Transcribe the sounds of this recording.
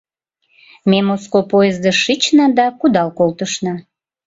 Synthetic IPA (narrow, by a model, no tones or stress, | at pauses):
memoskopojezd̪əʃit͡ɕnɑd̪ɑkud̪ɑlkolt̪əʃnɑ